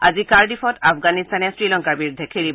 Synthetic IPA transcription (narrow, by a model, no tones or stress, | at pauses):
azikaɹdifʰɔtafʰɡanistanɛsɹilɔŋkaɹbiɹdʱekʰiɹib